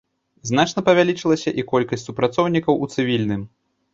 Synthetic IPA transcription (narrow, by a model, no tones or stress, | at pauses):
znat͡ʂnɐpɐvʲalʲit͡ʂɨlˠɐsʲɐʔikɔlʲkɐsʲtʲsupɾat̪sɔwnʲikɐwut̪sɨvʲilʲnɨm